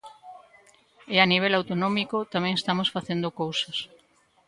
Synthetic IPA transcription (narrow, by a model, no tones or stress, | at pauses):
ɪaniβ̞elawt̪onɔmikot̪amɛ̃ŋest̪amosfaθend̪okowsas